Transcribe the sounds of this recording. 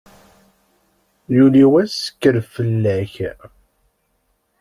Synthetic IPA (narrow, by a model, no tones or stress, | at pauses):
juliwæsə̥kːəɾfəlːæç